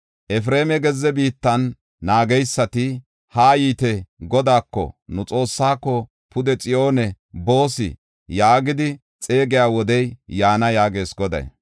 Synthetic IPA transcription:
ʔɛfɾe̞ːmɛɡɛzːɛbiːt̪ːɐnː | aːɡɛjsːɐt̪ɪ | haːjiːt̪ɛɡɔd̪aːkːɔ̰nʊt͡sʼo̞ːsːaːkːɔ | pʊd̪ɛt͡sʼɪjo̞ːnɛ | bo̞ːsɪ̰ | jaːɡɪd̪ɪ | t͡sʼe̞ːɡɪjaːwɔd̪ɛjjaːnɐjaːɡe̞ːsɡɔd̪ɐ̰j̰

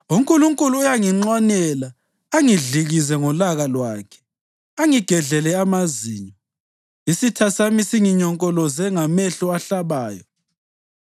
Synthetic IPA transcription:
uŋkʼuluŋkʼuluujaŋiŋ͡ǀwanɛlaː | ŋiɮiɣizɛŋɔlaɣalwaːkʰɛ̥ | aŋiɡ̥ʱɛɮɛlɛamaziːɲɔ | isitʰasamisiŋiɲɔŋkʼɔlɔzɛŋamɛɬɔaɬaβaːjɔ

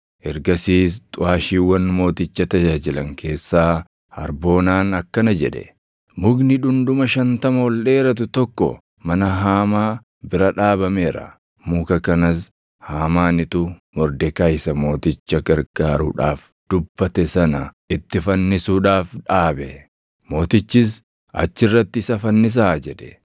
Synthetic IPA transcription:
ʔɛɾɡɐsiːst̪ʼʊaːʃiːwːɐnmo̞ːt̪ɪt͡ʃːɐt̪ɐd͡ʒaːd͡ʒɪlɐ̰ŋkʰe̞ːsːaː | hɐ̰ɾbo̞ːnaːnɐkːɐnɐd͡ʒɛᶑɛ̰ | mʊɡnɪᶑʊnd̪ʊmɐʃɐnt̪ɐmɐwɔlᶑe̞ːɾɐt̪̬ʊt̪ɔkːɔ̰ | mɐnɐɦaːmaː | bɪɾɐᶑaːbɐmeːɾɐ̰ | muːkɐkɐnɐs | haːmaːnɪt̪ʊmɔɾd̪ɛkɐːjsɐmo̞ːt̪ɪt͡ʃːɐɡɐɾɡaːɾṵᶑa̰ːf | d̪̥ʊbːɐt̪ɛsɐnɐ | ɪt̪ːɪfɐnːɪsuːᶑaːfᶑaːbɛ | mo̞ːt̪ɪt͡ʃːɪs̬ | ʔɐ̰t͡ʃːɪrːɐt̪ːɪɪsɐfɐnːɪs̬aːd͡ʒɛᶑɛ̥

